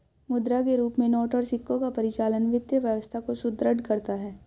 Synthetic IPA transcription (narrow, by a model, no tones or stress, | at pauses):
mʊd̪ɾakeɾuːpmẽnɔːʈəɾsɪkːõkapɐɾɪt͡ʃaːlənʋɪd̪jəʋjəʋəst̪ʰakosʊd̪ɾəɖ̪kɐɾt̪aɦɛː